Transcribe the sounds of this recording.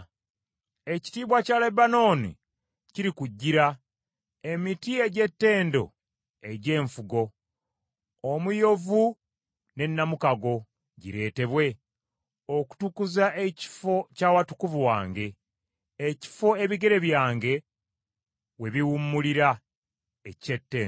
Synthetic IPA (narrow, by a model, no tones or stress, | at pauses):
e̞ci̥tiːβwacaːlebano̞ːnḭ | ciɾikuɟːiɾa | emitie̞ɟe̞tːe̞ːndo̞̰ | e̞ɟe̞ːɱfuɡo̞ | mujo̞vu | ne̞nːamukaɡo̞ | ɟḭɾe̞ːte̞βwe̞ | oku̥tukuzaʔeci̥fo̞caːwatu̥kuvuwaːŋɡe̞ː | ci̥fo̞e̞βiɡe̞ɾe̞βjaːŋɡe̞ | we̞βiwumːuliɾa | ecetːe̞ː